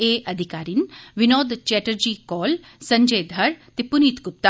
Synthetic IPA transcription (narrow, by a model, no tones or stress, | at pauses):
eːʔɐd̪ʱikaːɾinʋinoːd̪t͡ʃɛːʈəɾd͡ʒiːkɔːl | sɐ̃ɲd͡ʒeːd̪ʱɐɾt̪ipːuniːt̪ɡʊp̚t̪a